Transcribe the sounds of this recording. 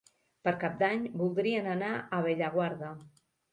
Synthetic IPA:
pəɾkap̚d̪aɲbulˠd̪ɾiənənaʔəβ̞eʎəɣwaɾðə

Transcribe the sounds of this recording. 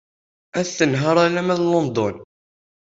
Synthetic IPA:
æθθənɦɑɾˤælæmæðlːond̪on

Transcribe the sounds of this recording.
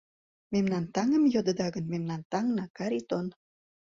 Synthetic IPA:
memnɑnt̪ɑŋə̆mjod̪əd̪ɑɣənmemnɑnt̪ɑŋnɑkɑɾit̪on

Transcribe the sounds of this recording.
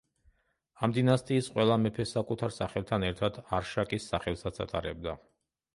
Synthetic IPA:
amd̪inast̪ʼiːsqʼwɛlˠamɛpʰɛsakʼut̪ʰaɾsaχɛlˠt̪ʰanɛɾt̪ʰad̪̥aɾʃakʼisːaχɛlˠsat̪sʰa̰t̪ʼaɾɛb̚d̪a

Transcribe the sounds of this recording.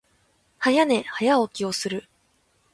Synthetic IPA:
hajane̞hajaokʲio̞sɨɾɯ̟

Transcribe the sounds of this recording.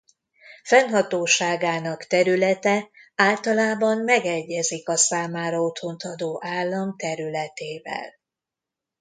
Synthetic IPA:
fɛnɦɒt̪oːʃaːɡaːnɒkt̪ɛɾylɛt̪ɛaːlt̪ɒlaːbɒmmɛɡɛɟːɛzikɒsaːmaːɾɒot̪ho̞nt̪ɒd̪oːʔaːlːɒmt̪ɛɾylɛt̪eːvɛ̰l

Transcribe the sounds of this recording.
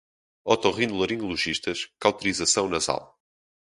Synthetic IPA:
ɔt̪ɔʁĩnd̪ulˠɐɾĩlˠuʒiʃt̪ɐʃkawt̪uɾizɐsɐ̃w̃nɐza̰lˠ

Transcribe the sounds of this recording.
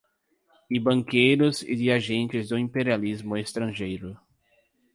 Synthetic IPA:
ɪbɐ̃ŋkejɾʊzɪ̰d̪ɪaʒẽnt͡ʃɪzd̪ʊĩmpeɾializmʊest̪ɾɐ̃ʒejɾʊ

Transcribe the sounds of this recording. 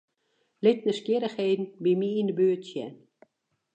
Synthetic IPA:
lɪt̚nəskjɪɾəxheːdn̩bimiindəbøːtsjɛn

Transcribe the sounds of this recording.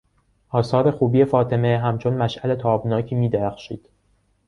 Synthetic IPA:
ʔɒːsɒːɾe̞xuːbiːjefɒːt̪ʰe̞meɦæmt͡ʃʰo̞nmæʃʔæle̞t̪ʰɒːbnɒːcʰiːmiːd̪eɾæxʃiːd̪̥

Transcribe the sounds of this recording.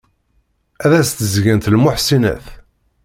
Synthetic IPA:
æðæst̪əzʝænt̪lmʊħsinæ̰θ

